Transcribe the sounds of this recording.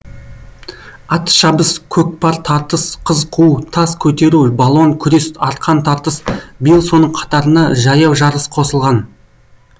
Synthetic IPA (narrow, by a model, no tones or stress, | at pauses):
ɑt̪ə̥ʃɑbəskʲʰɵk̚pɑɾt̪ʰɑɾt̪əsqʰəzqʰuwt̪ʰɑskʲʰɵt̪e̞ɾubalˠo̞ŋkʲʰʏɾesɑɾt̪̚qʰɑnt̪ʰɑɾt̪əsbəjəlˠso̞nəɴqʰɑ̥t̪ɑɾənɑʒɑjɑwʒɑɾəsqʰo̞səlˠʁɑn